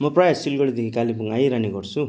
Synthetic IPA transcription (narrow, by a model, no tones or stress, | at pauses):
mʌprʌjassilɡʌɽid̪ekʰikalibuŋajɾaniɡʌrt͡sʰu